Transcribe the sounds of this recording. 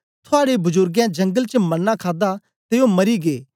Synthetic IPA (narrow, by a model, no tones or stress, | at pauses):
t̪ʰʊaːɽebʊzʊɾɡjãd͡ʒɐ̃ŋɡəlt͡ʃəmɐnːãkʰaːd̪a | t̪eːomɐɾiɡeː